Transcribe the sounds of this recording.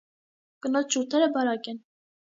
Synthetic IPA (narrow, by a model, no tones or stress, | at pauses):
kənɔt͡st͡ʃʰuɾt̪ʰɛɾəbɑɾɑkɛn